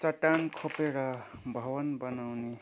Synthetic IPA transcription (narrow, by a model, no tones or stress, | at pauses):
t͡sʌt̪ankʰopeɾʌbʱʌbʌnbʌnawne